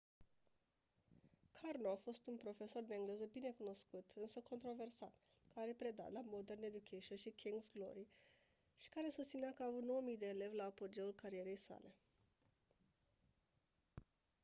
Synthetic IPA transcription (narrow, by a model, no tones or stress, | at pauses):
kʰarnoafo̞st̪unpɾo̞fe̞so̞rd̪e̞ɨŋɡle̞zəbine̞kuno̞skut̪ʰɨnsəko̞nt̪ɾo̞ve̞rsa̰t̪ | kaɾe̞pɾe̞d̪a̰lamo̞d̪erne̞d̪ukʲʰeʃəʃikʲʰiŋɡsɡlo̞̰ɾi | ʃi̥kaɾe̞sust̪sineakəaːvut̪no̞wəmijd̪e̞ːle̞vlaːpo̞d͡ʒe̞ulkaɾie̞ɾe̞jsa̰le̞